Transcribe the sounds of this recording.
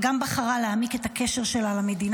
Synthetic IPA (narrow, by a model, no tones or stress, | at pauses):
ɡambaχaʁaleamike̞take̞ʃeʁʃe̞lalame̞din